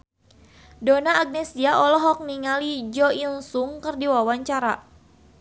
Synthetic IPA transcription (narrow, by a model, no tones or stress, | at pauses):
donaːɡ̚nɛsiaʔɔlɔɦɔk̚niŋalid͡ʒɔinsuŋkərdiwawaɲt͡ʃaɾa